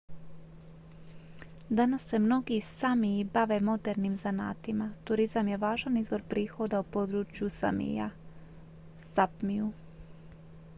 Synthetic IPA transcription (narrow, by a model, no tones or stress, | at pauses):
d̪anasːe̞mno̞ɡiːssamiːbaʋe̞mo̞d̪e̞ɾnimzana̰ːt̪imat̪uɾizamje̞ʋaːʒanizʋo̞ɾpɾiːxo̞d̪aupo̞d̪ɾut͡ʃjusa̰mḭja̰ | sapmiu